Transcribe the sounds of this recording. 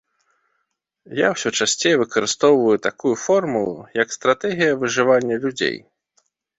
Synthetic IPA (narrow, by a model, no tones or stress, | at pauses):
jawsʲɔt͡ʂasʲt͡sʲejɛvɨkɐɾɨst̪ɔwvɐjut̪akujufɔrmulˠṵjɐkst̪ɾat̪ɛɣʲijɐvɨʐɨvanʲːɐlʲud͡zʲḛj